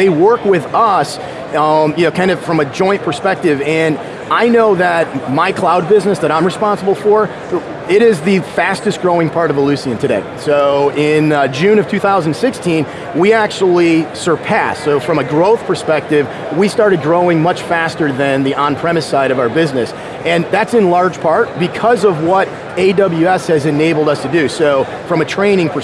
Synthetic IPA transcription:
ðeɪwɜ˞kwɪðʌs | jɨnoʊkʰãɪ̃ndʌv̥fɹʌ̃mɨd͡ʒɔ̃ɪ̃npʰə˞spɛk̚tɪvɨ̃n | aɪnoʊðət̚maɪkʰl̥aʊd̚bɪznɨsðɨɾãɪ̃mɹɨspɑ̃nsəbl̩ˠfə˞ | ɪɾɪzðɨfæstɨst̚ɡ̥ɹoʊɪ̃ŋpʰɑɹɾʌvəlʉsiɨ̃ntʰɨdeɪsoʊɪ̃nd͡ʒʉ̃nʌv̥tʰʉθaʊz̃n̩d̥sɪkstʰĩn | wiæk̚t͡ʃul̩ˠisə˞pʰæsoʊfɹʌ̃mɨɡɹoʊθpʰə˞spɛk̚tɪv | wistɑɹɾɨd̚ɡɹoʊɪ̃ŋmʌt͡ʃfæstə˞ðɨ̃nðiʔə̃npʰɹ̥ɛmɨsaɪɾʌvaʊə˞bɪznɨs | ɨ̃nðætsɨ̃nlɑɹ̥ʒ̥pʰɑɹt̚b̥ɨkʰʌzʌvwʌɾ | eɪdʌbl̩ˠjʉɛshɨzɨ̃neɪbl̩ˠdʌstʰɨdɨsoʊ | fɹʌ̃mɨtʰɹ̥ẽɪ̃ñɪ̃ŋpʰə˞

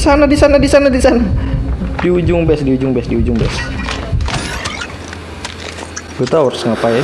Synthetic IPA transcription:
sanadisanadisanadisana | diud͡ʒʊŋbɛsdiud͡ʒʊŋbɛsdiud͡ʒʊŋbɛs | b̥ət̪awərsəŋapa

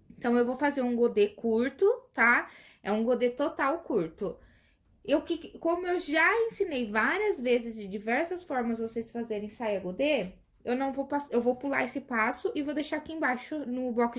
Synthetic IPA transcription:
ẽnt̪ɐ̃w̃ewvowfazeɾũɡod̪ekuɾt̪ʊt̪a | ɛũɡod̪et̪ot̪awkuɾt̪ʊ | ewkɪkõmʊewʒaẽsinejvaɾiɐzvezɪzd͡ʒɪd͡ʒivɛɾsɐsfɔɾmɐzvosesfazeɾẽj̃saiɐɡod̪e | ewnɐ̃w̃vowpasewvowpula̰esɪpasʊʔɪvowd̪ejʃaɾakiẽbajʃʊnʊblɔk

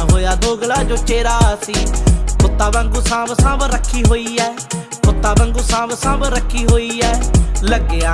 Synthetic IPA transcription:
ɦoːjaːd̪oːɡlaːd͡ʒoːt͡ʃeːɾaːsiːpʊt̪ːaːbə̃ŋɡuːsãːbsãːbɾəkʰːiːɦoːiːɛː | pʊt̪ːaːbə̃ŋɡuːsãːbsãːbɾəkʰːiːɦoːiːɛːləɡeːaː

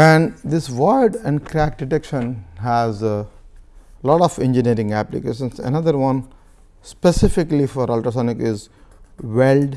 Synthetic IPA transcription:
æ̃ɳɖd̪ɪsʋɔɪɖɛ̃ɳɖkɾæk̚ɖɪʈekʃə̃nɦæz | lɔːʈɔfḛ̃nd͡ʒiniəɾɪ̃ŋɡæplḭkḛːʃə̃nsə̰nʌd̪əɾʋʌ̃n | spesɪfɪklifɔɾʌlʈəsɔnɪkɪz | ʋelɖ

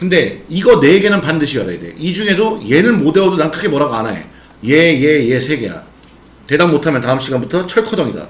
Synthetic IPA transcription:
kɯnde̞iɡʌne̞ɡe̞nɯnpandɯɕʰijʌɾa̰ede̞̰ʔid͡ʑuŋe̞doje̞nɯnmode̞odonankʰɯɡe̞mʌɾaɡoanajḛ | jejeje̞sʰe̞ɡe̞ja̰ | te̞danmotʰamjʌntaɯmɕ͈ʰiɡanbutʰʌt͡ɕʰʌɭkʰʌdʌŋida̰

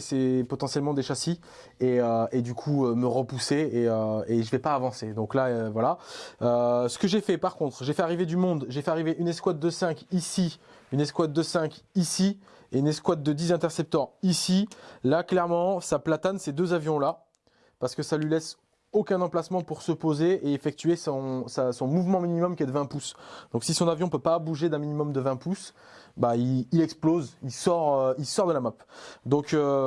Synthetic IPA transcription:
sɛpɔt̪ɑ̃sjɛlmɑ̃d̪eʃasi | eøed̪ykʰuøməʁəpuseeøeʒəvɛpaːvɑ̃sed̪ɔ̃klaøvwalaøsə̥kəʒefɛpaʁkɔ̃t̪χʒefɛaʁived̪ymɔ̃d̪ʒefɛaʁiveʔynɛskwat̪̚d̪əsɛ̃kisi | ynɛskwat̪̚d̪əsɛ̃kʲisi | eynɛskwat̪̚d̪əd̪izɛ̃t̪ɛʁsɛp̚t̪œʁisilaklɛʁmɑ̃saplat̪ansed̪øzavjɔ̃la | paʁsə̥kəsalɥilɛs | okʲɛ̃nɑ̃plasmɑ̃puʁsəpozeeefɛk̚t̪yesɔ̃sasɔ̃muvmɑ̃minimɔmkʲiɛd̪əvɛ̃pusd̪̥ɔ̃ksisɔ̃navjɔ̃pøpabuʒed̪ɛ̃minimɔmd̪əvɛ̃pus | baiilɛksplozilsɔʁøilsɔʁd̪əlamapd̪ɔ̃kø

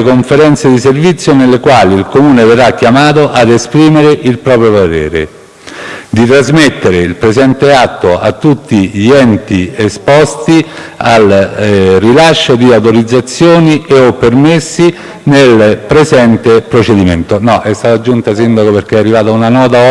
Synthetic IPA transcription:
koɱfeɾɛnt̪sed̪iservit̪sːjonelːekwaːliːlkomuːneverːakːjamaːt̪oʔad̪espɾiːmeɾeʔilpɾɔːpɾjopat̪ɛ̰ːɾḛ | d̪it̪ɾazmet̪ːeɾeilpɾezɛnt̪eat̪ːoa̰t̪ːut̪ːiʎiɛnt̪iespɔst̪i | al | rilaʃːod̪iawt̪oɾid̪zːat̪sːjoːnieɔpːermesːi | nelpɾezɛnt̪epɾot͡ʃed̪iment̪onɔʔɛst̪aːt̪ad͡ʒːunt̪asind̪akoperk̟eɛarːivaːt̪aunanɔːt̪̬a

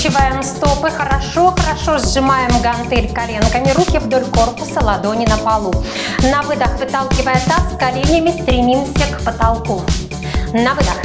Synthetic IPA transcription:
t͡ɕɪvajɪmst̪o̞pɨxəɾɐʂo̞xəɾɐʂozʐɨmajɪmɡɐnt̪ɛlʲkɐlʲenkəmʲɪɾukʲɪvd̪o̞lʲko̞rpʊsəlˠɐd̪o̞nʲɪnəpalˠu | nɐvɨd̪əxvɨt̪alˠkʲɪvəjət̪askɐlʲenʲəmʲɪst̪ɾʲɪmʲimsʲəkpət̪ɐlˠku | nɐvɨd̪əx

